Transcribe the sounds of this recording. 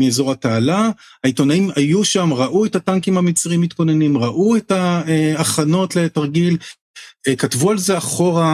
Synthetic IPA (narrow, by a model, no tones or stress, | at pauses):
miezo̞ʁhataala | haito̞naimajuʃamʁaʔuethataŋkimhamit͡sʁiimitko̞ne̞nimʁaʔuetaeaχano̞tle̞taʁɡil | katvualze̞aχo̞ʁa